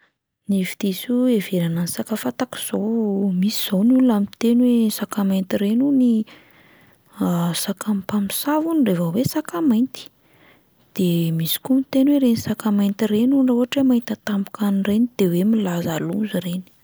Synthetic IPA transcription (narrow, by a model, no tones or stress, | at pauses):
nivi̥t̪isueveɾananisakafat̪aki̥z̥owmisiz̥onulamit̪enwesakamajnt̪iɾenuni | sakampamisavunirevawesakamajnt̪i̥ | d̪̥emisi̥kumit̪enweɾenisakamajnt̪irenunowaʈ͡ʂemant̪at̪ambu̥kʰanrenid̪̥ewemilazalunzureni̥